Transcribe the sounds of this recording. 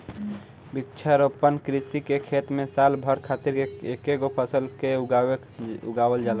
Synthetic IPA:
bikt͡ʃʰəɾopənkɾisikekʰet̪mẽsalbʱəɾkʰat̪iɾekeɡopʰəsəlkeɡ | ṵɡawəld͡ʒala

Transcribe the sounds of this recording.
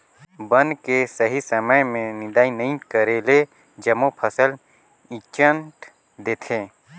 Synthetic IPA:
bənkesəɦisəməjmẽnɪd̪aːinɐɦĩkəɾele | d͡ʒɐmopʰəsəl | ɪt͡ʃə̃ɳʈ | d̪eːt̪ʰeː

